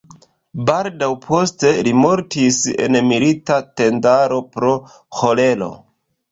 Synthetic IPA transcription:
baldawpʰo̞ste̞limo̞ɾtise̞̰nmilitate̞ndaɾo̞pɾo̞ | ho̞le̞lo̞̰

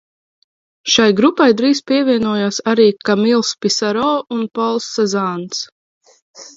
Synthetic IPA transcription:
ʃajɡɾupajd̪ɾiːspiɛvʲiɛnuɔjaːsaɾiːkamilˠspisaɾɔːunpɔlˠsːɛzaːns

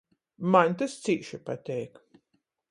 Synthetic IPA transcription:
manʲt̪ast̪siːʃipat̪ʲɛjk

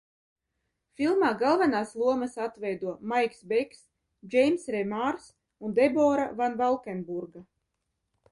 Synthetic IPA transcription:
fʲilˠmaːɡalˠvanaːslˠuɔmasat̪vɛjd̪uɔmajksbɛks | d͡ʒɛjmsɾɛmaɾs | und̪ɛbɔːɾavanvalˠkɛnbuɾɡa

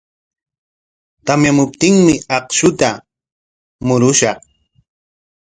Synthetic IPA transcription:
t̪amjamʊp̚t̪ɪŋmɪɑqʃʊt̪a | mʊɾʊʃɑχ

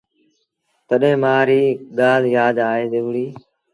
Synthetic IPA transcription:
t̪əɗɦẽːmaːɾiːɡaːljaːd̪aːɦeːd̪ɪʋɽiː

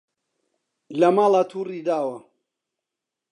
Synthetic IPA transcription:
lamalat̪ʰuɾid̪awa

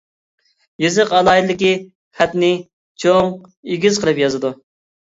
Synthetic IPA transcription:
jezɨqɑlˠɑːid̪ɨd̪ɪkʲi | χæt̪nɪ | t͡ʃʰoŋ | eɡʲizqʰəlˠɨpjɑzɨd̪u

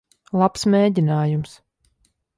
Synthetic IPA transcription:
lˠapsmʲeːdʲinaːjums

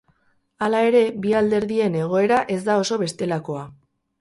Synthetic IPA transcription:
alae̞ɾe̞biald̪e̞ɾðie̞ne̞ɣ̞o̞e̞ɾaʔe̞zd̪ao̞so̞βe̞st̪e̞lako̞a

